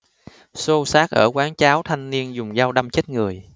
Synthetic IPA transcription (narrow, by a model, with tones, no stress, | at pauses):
so˧saː˦˥k̚ʔəː˧˩kwaː˨˦ŋt͡ɕaː˨˦wt̪ʰa˧jŋ̟ni˧ənzʊ˨˩ŋ͡mzaː˧wɗa˧mt͡ɕe˦˥t̚ŋɨ˨˩əj